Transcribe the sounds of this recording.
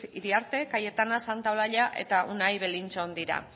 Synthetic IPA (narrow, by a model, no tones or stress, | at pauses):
iɾiaɾt̪e̞kaje̞t̪anasant̪aolaʎaʔe̞̰t̪aʔunajβelint͡sond̪iɾa̰